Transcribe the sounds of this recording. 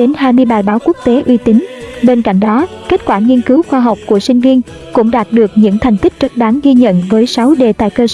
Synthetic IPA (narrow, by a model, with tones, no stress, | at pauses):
ɗe˨˦nɦaː˧jmɨ˧əjɓaː˨˩jɓaː˨˦wku˦˥ək̚t̪e˨˦ʔwi˧t̪ï˨˦ŋ̟ɓe˧nka̰˧˨jŋ̟ɗɔ˨˦ke˦˥t̚kwaː˧˩ŋi˧ənkɨ˨˦wxwaː˧ɦa˨˩wk͡p̚ku˧˩əsï˧ŋ̟vi˧ən | kʊ̰˧˥ŋ͡mɗaː˨˩t̚ɗɨ˨˩ək̚ɲɨ̰˧˥ŋt̪ʰɛ˨˩jŋ̟t̪i˦˥k̟̚t͡ɕə˦˥t̚ɓaː˨˦ŋɣi˧ɲə̰˧˨nvəː˨˦jsa˨˦wɗe˨˩t̪a̰ː˧˨jkəː˧s